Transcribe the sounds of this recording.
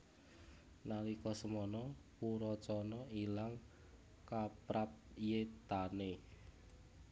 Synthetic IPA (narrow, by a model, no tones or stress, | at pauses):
nalikɔsəmɔnɔpuɾɔt͡ʃɔnɔilaŋ | kapɾap̚jet̪ane